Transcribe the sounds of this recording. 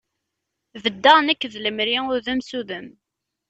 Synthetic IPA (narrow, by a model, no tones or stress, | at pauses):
vəd̪ːəʁnækːðləmɾiʊɾðæmsuðəm